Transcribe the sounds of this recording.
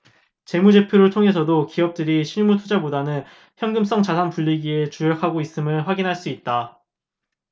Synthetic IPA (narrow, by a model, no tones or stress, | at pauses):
t͡ɕe̞mud͡ʑe̞pʰjoɾɯɭtʰoŋɦe̞s̬ʰʌdokiʌp̚t͈ɯɾiɕʰiɭmutʰud͡ʑabodanɯn | çjʌŋɡɯms͈ʌŋt͡ɕasʰanpuʎːiɡie̞t͡ɕuɾʌkʰaɡois͈ɯmɯɭɸwaɡinɦaɭs͈uit̚t͈a